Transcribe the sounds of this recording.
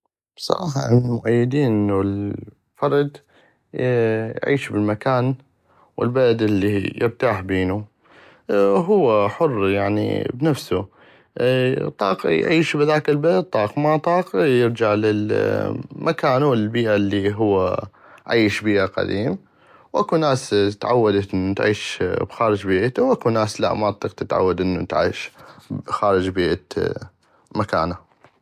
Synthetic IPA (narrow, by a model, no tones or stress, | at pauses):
b̥sˤɑ̰ɾˤɑ̰ːħɑ̰ʔɪnmʊʔajːɪd̪iːnʔɪnːul | fɑɾˤd̪ | jʕḭːʃbɪlmakaːn | wɪ̰lbalad̪ɪlːijɪɾt̪aːħbeːnu | ɦʊwːaħʊrːjaʕnḭbnafsu | t̪ˤːɑ̰ːqjʕiːʃbɪðaːkɪlbalad̪̚t̪ˤːɑːqmat̪ˤɑːqjɪɾd͡ʒaʕlɪl | mʔakaːnuɪlbiːʔalːiɦʊwːa̰ | ʕiːʃbiːʔaqa̰d̪iːm | wʔakunaːst̪ʕa̰wːad̪aʔɪnːt̪ʕiːʃbxaːɾɪd͡ʒbiːʔt̪uwʔakunaːsla̰ʔmat̪ˤːiːqt̪ɪt̪ʕa̰wːad̪ʔɪnːut̪ʕḭːʃ | xaːɾɪd͡ʒbiːʔa | maka̰ːna